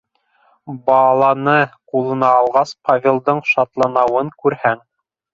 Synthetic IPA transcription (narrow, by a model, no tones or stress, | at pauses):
bɑlˠɑnɤqulˠɤ̆nɑːlˠʁɑspʰavʲelˠd̪ɤɴʃɑt̪lˠɑnɑwɤŋkʉɾhæŋ